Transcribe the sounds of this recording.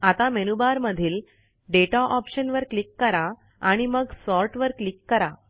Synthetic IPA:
at̪amenubaɾməd̪ʱiːl | ɖeʈaʔɔpɕənʋəɾklikːəɾa | aɽ̃iməɡsɔɾʈʋəɾklikːəɾa

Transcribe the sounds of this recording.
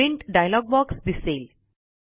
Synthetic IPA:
ĩɳʈɖajlɔɡ̚bɔksd̪isel

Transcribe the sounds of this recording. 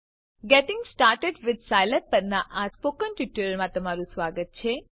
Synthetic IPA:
ɡɛʈɪ̃ŋɡsʈaɾʈeɖʋɪd̪sajləɾ̚pəɾnaʔaspokənʈiʈːəɾəɾmãt̪əmaɾũsʋaɡət̪̚t͡ʃʰe

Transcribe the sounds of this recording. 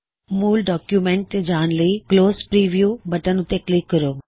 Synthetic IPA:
muːlɖɔːkjumẽɳʈd͡ʒaːnləikloːspɾiːʋijuːbɐʈənʊt̪eklɪkːəɾoː

